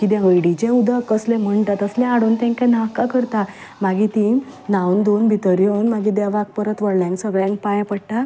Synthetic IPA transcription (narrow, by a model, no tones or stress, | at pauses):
kit̪jaɦəjɽid͡ʑẽud̪ʱəkəslẽm̤əɳt̪at̪əslɛ̃aɽont̪ɛ̃ŋkãnakakəɾt̪a | maɡit̪ĩ | nawnd̪onbʱit̪əɾjənmaɡid̪jaʋak̚pəɾət̪ʋəɽlãŋksəɡɭjãŋk̚pajpəɽʈa